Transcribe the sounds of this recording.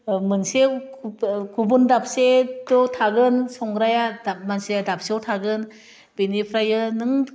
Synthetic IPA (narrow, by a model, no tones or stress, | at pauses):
mɯnse | kʰubundap̚setɔtʰaɡɯnsɔŋɡɾajadamanseadap̚seɔwtʰaɡɯn | benipʰɾajɯnɯŋ